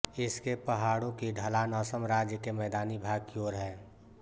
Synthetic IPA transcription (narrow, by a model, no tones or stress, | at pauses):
ɪskepəɦaːɽõkiɖʱəlanɔːsəmɾaːd͡ʒjəkemɛːd̪aːnibʱaːɡ̚kioːɾɦɛː